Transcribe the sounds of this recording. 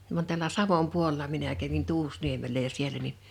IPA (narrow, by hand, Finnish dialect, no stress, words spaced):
ʋɑn tælˑæ sɑʋom puolĕlɑ minæ kæʋin tuːsniemelːæ jɑ sielæ ni